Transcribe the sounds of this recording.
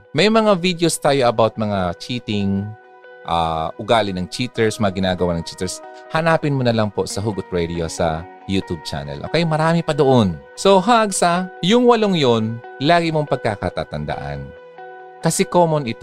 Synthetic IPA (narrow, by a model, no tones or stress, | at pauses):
mɐjmɐŋavid̪ejost̪aːjo̞ʔɐbawt̪̚mɐŋat͡ʃiːt̪ɪŋ | ʔa̰ʔʊɡaːlɪnɐŋt͡ʃit̪ɛɹsmɐŋaɡɪnaːɡɐwanɐŋt͡ʃiːt̪ɛɹshɐnaːpɪnmonɐlɐŋpo̞sɐɦuɡʊt̪̚ɹɛd̪ɪosɐ̰ | jut̪ub̚t͡ʃa̰ːnɐ̰lʔo̰kɐjomɐɾaːmɪpɐd̪oʔon | so̞ɦaʔɡsajʊŋwɐloŋjonlaːɡɪmoŋpɐɡ̚kaka̰t̪a̰t̪ɐnd̪a̰ʔɐ̰n | kɐsɛko̞ːmonɪt̪